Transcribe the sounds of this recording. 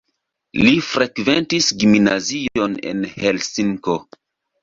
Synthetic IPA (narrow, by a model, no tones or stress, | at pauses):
lifɾekventisɡimnazio̞ne̞̰nhe̞lsiŋko̞